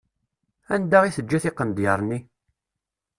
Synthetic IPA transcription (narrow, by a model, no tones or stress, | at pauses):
ænd̪aʁiθəd͡ʒːæθɪqːənd̪jəɾˤnːi